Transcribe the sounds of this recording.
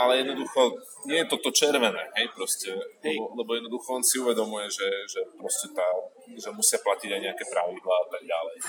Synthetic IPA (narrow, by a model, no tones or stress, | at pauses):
alɛjɛd̪nɔd̪uxɔ | ɲɪɛjɛt̪ɔt̪ɔt͡ʃɛɾʋɛnɛːɦɛjpɾɔscɛlɛbɔlɛbɔjɛd̪nɔd̪uxɔɔnsiuʋɛd̪ɔmujɛʒɛʒɛpɾɔscɛt̪a | ʒɛmusɪaplaciɟajɲɛakɛpɾaʋid̪laːat̪aɡ̚ɟalɛj